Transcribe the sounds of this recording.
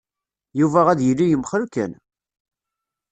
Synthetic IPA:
juvæʁæðjəlːijəmːχɾkæ̰n

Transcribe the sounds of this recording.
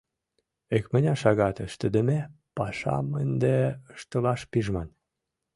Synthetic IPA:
ekmə̆nʲɑʃɑɣɑt̪əʃt̪əd̪ə̆me | pɑʃɑ̰mənd̪eəʃt̪ə̆lɑʃpiʒmɑn

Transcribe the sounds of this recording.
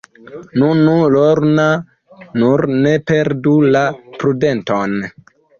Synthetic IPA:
nunuloɾna | nuɾnepeɾdulapɾudenton

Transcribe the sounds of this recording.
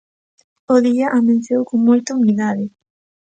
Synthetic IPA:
oðiaʔamẽn̟θjowkoŋmojt̪aumiðaðɪ

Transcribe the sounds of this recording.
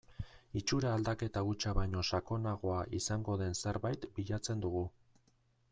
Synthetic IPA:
it͡ʃuɾaːld̪ake̞t̪aɣut͡ʃaβajɲo̞sako̞naɣ̞o̞aʔisaŋɡo̞ðe̞nse̞ɾβajt̪biʎat͡se̞nd̪uɣ̞u

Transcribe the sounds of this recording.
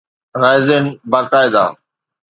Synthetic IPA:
ɾaːɪzeːnbaːkaːɪd̪a̰ː

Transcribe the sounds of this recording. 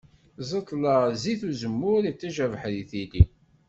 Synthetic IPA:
zˤət̪ˤːlɑziθuzəmːʊɾit͡sːæʒævħɾiθili

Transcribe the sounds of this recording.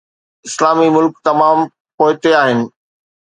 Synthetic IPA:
ɪslaːmimʊlkt̪ɐmaːm | poːɪt̪eaːɦɪnɪ̆

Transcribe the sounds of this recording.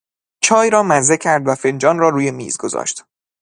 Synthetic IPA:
t͡ʃʰɒːjɾɒːmæzecʲʰæɾd̪væfend͡ʒɒːnrɒːɾuːje̞mḭːzɡo̞zɒ̰ːʃt̪

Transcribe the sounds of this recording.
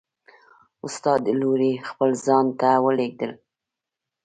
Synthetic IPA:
ʊst̪ɑd̪loɾexpəlzɑnt̪awəleɡ̚d̪əl

